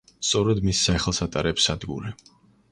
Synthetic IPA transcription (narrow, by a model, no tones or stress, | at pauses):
st̪sʼɔɾɛd̪misːaχlˠsat̪ʼaɾɛpsad̪ɡṵɾɛ